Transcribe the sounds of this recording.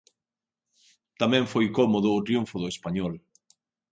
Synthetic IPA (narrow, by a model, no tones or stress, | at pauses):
t̪amɛ̃ɱfojkɔmoðʊːt̪ɾiuɱfʊðʊespaɲɔl